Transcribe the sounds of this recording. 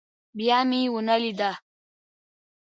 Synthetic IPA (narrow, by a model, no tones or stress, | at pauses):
bjɑmiwunalid̪a